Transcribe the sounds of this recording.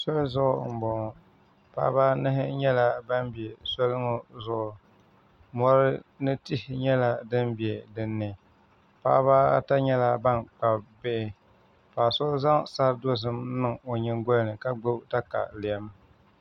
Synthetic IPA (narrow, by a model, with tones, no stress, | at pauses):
so˦lzʊ˦ʔʊ˦m̩˨bɔ˨ŋ˨ | pa̰˦baː˦nɨ˦ɦɪ˦ɲɛ˦la˦ba˦mbi˨ɛ˨so˦lɨ˦ŋo˦zʊ˨ʔʊ˨ | mɔ˦ɾɨ˦nɨ˦ti˦hɲɛ˦la˦dɨ˦mbi˨ɛ˨dɨ˨nːɨ˨ | pa̰ː˦baː˦ta˦ɲɛ˦la˦ba˦nk͡pa˨bbe˦ʔɪ˨ | paː˨so˦lza˦ŋsa˦ɾdo˦zɨ˦mnɨ˦ŋo˨ɲɪ˦ŋɡɔ˦lnɨ˨ka˨ɡ͡bo˦bta˦ka̰˨lɪ˨ɛ˦m